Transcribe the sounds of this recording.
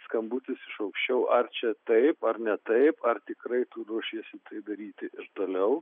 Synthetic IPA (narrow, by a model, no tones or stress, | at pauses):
skɐmbut̪ʲɪsɪʃɐʊkʃʲt͡ʃʲɛʊʔɐrt͡ʃʲɛt̪ɐɪpɐrnʲɛt̪ɐɪpɐrt̪ʲɪkɾɐɪt̪uːɾuɔʃʲiɛsʲɪt̪ɐɪpd̪ɐɾʲiːt̪ʲɪʔɪʃt̪oːlʲɛʊ